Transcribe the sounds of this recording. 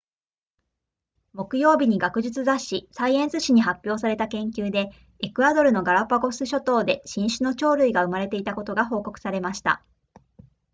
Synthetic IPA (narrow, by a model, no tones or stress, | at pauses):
mo̞kɯ̟jo̞ːbʲiɲ̟iɡakɯ̟ʑɨt͡sɨzaɕisaiẽ̞ɰ̃sɨɕiɲ̟iɦapʲjo̞ːsaɾe̞t̪akẽ̞ŋk̬ʲɨːd̪e̞ | ekɯ̟ad̪o̞ɾɯ̟no̞ɡaɾapːaɡo̞sɨɕo̞t̪o̞ːd̪e̞ɕĩɰ̃ɕɨno̞t͡ɕo̞ːɾɯ̟iɡaɯ̟maɾe̞t̪e̞it̪ako̞t̪o̞ɡaɦo̞ːko̞kɯ̟̥saɾe̞maɕi̥t̪a̰